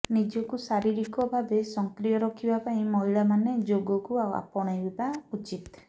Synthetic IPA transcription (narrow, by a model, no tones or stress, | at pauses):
nid͡ʒɔkusaɾiɾikɔbʱabesɔŋkɾijɔɾɔkʰibapaĩmɔɦiɭamaned͡ʒoɡɔkuawa̰pɔɽ̃ajbibaut͡ʃit̪